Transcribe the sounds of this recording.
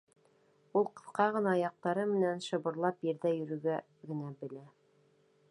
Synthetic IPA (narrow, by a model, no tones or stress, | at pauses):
ulˠqɤ̆θqɑʁɤ̆nɑjɑq̚t̪ɑɾɤmɘ̆nænʃɤ̆βɤ̆ɾlˠɑpjɘ̆ɾðæjɵ̆ɾɵ̆ɡæ | ɡɘ̆næbɘ̆læ